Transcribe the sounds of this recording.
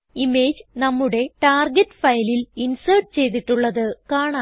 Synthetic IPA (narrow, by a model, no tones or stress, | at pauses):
ime̞ːd͡ʑnɐmːuɽe̞ʈaːrɡeʈːɨ̥fɐjlilinsɐrʈɨt͡ɕe̞jt̪̬iʈːuɭːɐðɨkaːɳaː